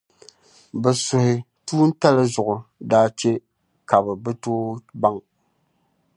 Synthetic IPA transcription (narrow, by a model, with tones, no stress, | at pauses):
bɛ˨sʊ˨hɪ˨ | tuː˦n̩˦ta˦lɨ˦zʊ˨ʔʊ˨daː˦t͡ʃe˦ | ka˨bɛ˨bɨ˦toː˦ba˦ŋ